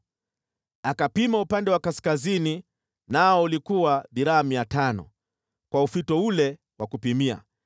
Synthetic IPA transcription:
akapimaupandɛwakaskazini | naɔulikuwaðiɾaamiatanɔ̰ | kwaufitɔulɛ | wakupimia̰

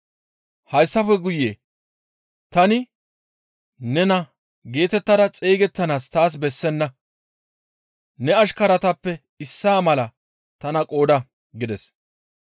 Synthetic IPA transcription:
hɐjsːɐfɛɡʊjːeː | t̪ɐnɪ | nɛnɐ | ɡe̞ːt̪ɛt̪ːɐd̪ɐt͡sʼeːɡɛt̪ːɐnaːst̪aːs̬bɛsːɛnːɐ | nɛɐʃkɐɾɐt̪ɐpːɛ | ɪsːaːmɐlɐ | t̪ɐnɐkʼo̞ːd̪ɐ | ɡɪd̪ɛs

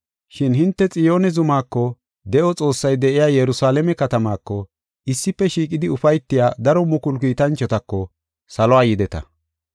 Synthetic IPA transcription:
ʃɪnhɪnt̪ːɛt͡sʼɪjo̞ːnɛzʊmaːkːɔ | d̪ɛʔɔt͡sʼo̞ːsːɐjd̪ɛʔɪjaːjɛɾʊsaːlɛmɛkɐt̪ɐmaːkːɔ | ʔɪsːɪpːɛʃiːkʼɪd̪ɪʊfɐjt̪ːɪjaːd̪ɐɾɔmʊkʊlkiːt̪ɐnt͡ʃːɔt̪ɐkːɔ | sɐlɔwaːjɪd̪ɛt̪ɐ̰

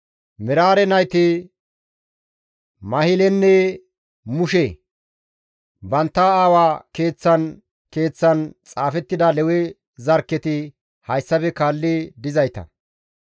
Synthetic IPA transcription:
mɪɾaːɾɛnɐjt̪ɪ | mɐhɪlɛnːɛ | mʊʃɛ | bɐnt̪ːɐaːwaːke̞ːt͡sːɐn | ke̞ːt͡sːɐnt͡sʼaːfɛt̪ːɪd̪ɐlɛwɛ | zɐɾkːɛt̪ɪ | hɐjsːɐpɛkaːlːɪd̪ɪzɐjt̪ɐ̰

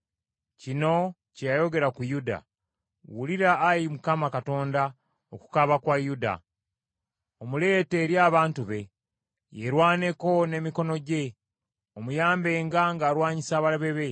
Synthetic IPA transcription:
cino̞ | cejajo̞ɡe̞ɾakujuda̰ | wuliɾaːjimukamakato̞ːnda | oku̥kaβakwajuda̰ | omule̞te̞ːɾjaːβaːntuβe̞ | je̞ɾwaːne̞ko̞ne̞miko̞no̞ɟe̞ | omujaːmbe̞ːŋɡaŋɡaːɾwaːɲisaːβalaβe̞βe̞

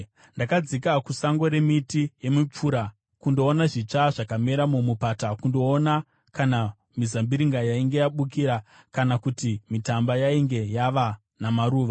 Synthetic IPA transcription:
ndakad͡zikakusaŋɡo̞ɾe̞mitije̞mip͡fuːɾa | kundo̞ːnaʐit͡ʂaʐakameɾamumupatakundo̞ːna | kana | mizambiɾiŋɡajaiŋɡe̞jaɓukiɾa | kanakutimitambajaiŋɡe̞jaʋa | namaɾuːʋa

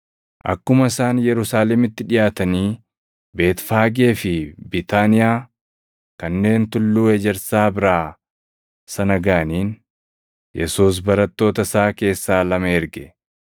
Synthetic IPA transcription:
ʔɐ̰kːʊmɐɪsaːnjɛɾʊsaːlɛmɪt̪ːɪᶑɪjaːt̪ɐniː | be̞ːt̪faːɡe̞ːfɪbɪt̪aːnɪjaː | kɐnːe̞ːnt̪ʊlːuːɛd͡ʒɛɾsaːbɪɾaː | sɐnɐɡaːniːn | jʔɛsuːs̬bɐɾɐt̪ːo̞ːt̪ɐsaːke̞ːsːaːlɐmɐɛɾɡɛ

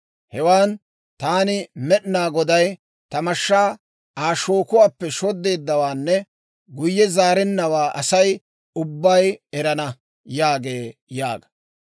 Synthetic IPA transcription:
hɛwaːn | t̪aːnɪmɛʔnaːɡɔd̪ɐj | t̪ɐmɐʃːaː | ʔaːʃo̞ːkʊwaːpːɛʃɔd̪ːe̞ːd̪ːɐwaːnːɛ | ɡʊjːɛzaːɾɛnːɐwaːʔɐsɐj | ʊbːɐjɛɾɐnɐ | jaːɡeːjaːɡɐ̥

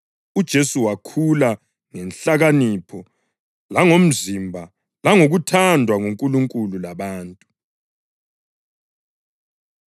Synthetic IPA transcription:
ud̥ʒ̥ʱesuwakʰula | ŋɛnɬaɣanipʰɔ | laŋom̩zimbʱa | laŋoɣutʰandʱwaŋuŋkʼuluŋkʼululaβaːntʼu

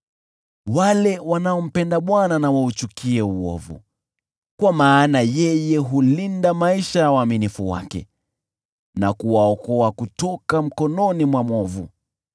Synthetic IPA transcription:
walɛwanaɔm̩pɛndaɓwananawaut͡ʃukʰiɛuɔ̰vṵ | kwamaːnajɛjɛɦulindamaiʃajawaːminifuwa̰kɛ̰ | nakuwaɔkɔakutɔkam̩kɔnɔnimwamɔvṵ

